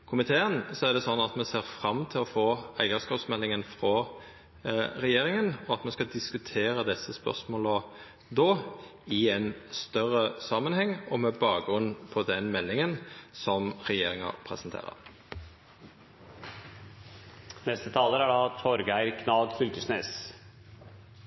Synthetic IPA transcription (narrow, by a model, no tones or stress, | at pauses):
kʰʊmɪt̪ʰeːənsɔæʁd̪ɛsɔnːɑt̪mɛseːʁfʁɑmːt̪ʰɪlɔfoːæɪəskɑːpsmɛlːɪŋənfʁɔ | ʁɛjeːʁɪŋənɔɑt̪mɛskɑd̪ɪskʉt̪ʰeːʁəd̪ɛsːəspœ̰ʁsmoːlə | d̪oːɪɛɪnst̪œʁəsɑmənhɛŋːɔmɛbɑːɡɡʁʉnːpʰɔd̪ɛnmɛlːɪŋənsɔmʁɛjeːʁɪŋɑ̰pʰʁɛ̰sənt̪ʰḛːʁə̰ʁ | nɛst̪ət̪ʰɑːləɾæɖɑt̪ʰɔɾɡæɪɾkʰnɑlɡ̪fʏlt̪əʂneːs